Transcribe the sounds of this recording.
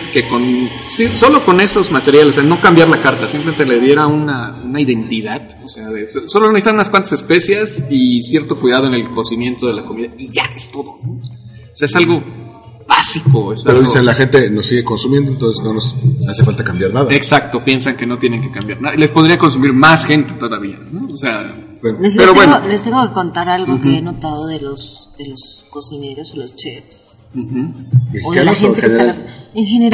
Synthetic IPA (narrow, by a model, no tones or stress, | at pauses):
ke̞ko̞n | siso̞lo̞ko̞ne̞so̞zmat̪e̞ɾjalose̞anokambjaɾlakaɾt̪asimplement̪eleðje̞ɾaunaunaiðe̞nt̪iðaðoseaðesosolonesit̪anunaskwant̪ḁsespe̞sjesisje̞ɾt̪o̞kwiðað̞oene̞lko̞simje̞nt̪o̞ð̞e̞lako̞miðaiʝaest̪o̞ðo | oseaesalɣo̞ | basikoesapeɾoðisenlaxe̞nt̪e̞no̞sːiɣe̞ko̞nsumje̞nd̪oent̪o̞nsezno̞nosase̞falt̪akambjaɾnaðaeksakt̪o̞pje̞nsaŋke̞no̞t̪je̞ne̞ŋkekambjaɾnaðaile̞spoðɾiako̞ns̬umiɾmasxe̞nt̪e̞̥t̪o̞ðaβia̰noːsea | elespeɾowenŋolest̪eŋɡokekont̪aɾalɣokeenot̪aðoðelo̞sð̥eloskosine̞ɾo̞solo̞st͡ʃefs | m̩ːxm̩bjexoiðekanaoset̪exeneɾaeŋxeneɾ